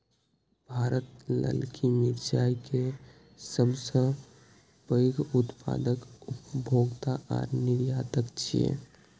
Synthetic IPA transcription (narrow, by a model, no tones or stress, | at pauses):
bʱaːɾət̪lə̰lkʰimɪɾd͡ʒaːike | səbsə̃ | pəɡʊt̪pa̰ːd̪əkʊpbʱoːɡt̪aʔɔ̰ːɾnɪɾjaːt̪əkt͡ʃʰiḛ